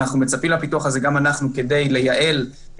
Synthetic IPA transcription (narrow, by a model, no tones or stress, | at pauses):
aχnume̞t͡sapimlapituaχaze̞ɡamanaχnuke̞de̞jle̞jaʔe̞l